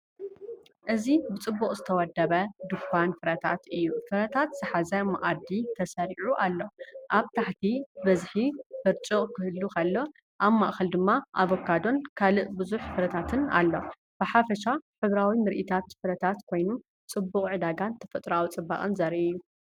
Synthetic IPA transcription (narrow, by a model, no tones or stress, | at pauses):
ʔɨzibɨt͡sʼɨbːuqʼzɨt̪ʰɐwɐd̪ːɐβɐd̪ɨkʷːanfɨɾɐt̪ʰat̪ɨjːufɨɾɐt̪ʰat̪z̥ɨħazɐmɐʔʼad̪it̪ʰɐsɐɾiʕuʔalːo̞ʔaβt̪ʰaħt̪ʰibɐzħifɨɾt͡ʃʼoʔʼkʰɨhɨlːukʰɐlːo̞ | ʔaβmaʔxɐld̪ɨmːaʔaβokʰːad̪o̞nkʰalɨʔbɨzuħfɨɾɐt̪ʰat̪ʰɨna̰lːo̞ | b̥ɨħafɐʃaħɨβɾawimɨɾʔit̪ʰat̪fɨɾɐt̪ʰat̪kʰo̞jnu | t͡sʼɨbːuqʼʕɨd̪aɡant̪ʰɐfɐt̪ʼɾawut͡sʼɨbːa̰χʼɨnzɐɾʔijːu